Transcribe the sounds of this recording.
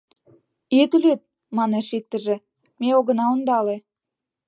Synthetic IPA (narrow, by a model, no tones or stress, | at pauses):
et̪yløt̪̚ | mɑneʃik̚t̪ə̆ʒĕ | meoɣə̆nɑond̪ɑle